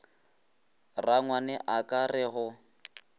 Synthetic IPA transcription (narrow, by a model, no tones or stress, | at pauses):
raŋwanɛʔakʼarɪɣʊ